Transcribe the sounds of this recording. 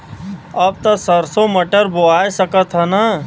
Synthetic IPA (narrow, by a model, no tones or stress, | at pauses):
ɐb̚t̪ɐsəɾsoməʈəɾboaːjsəkət̪ɦanɐ